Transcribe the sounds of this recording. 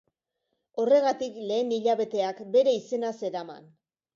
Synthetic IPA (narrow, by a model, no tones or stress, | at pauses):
o̞re̞ɣ̞at̪ikle̞ːniʎaβe̞t̪e̞akbe̞ɾe̞ise̞nase̞ɾama̰n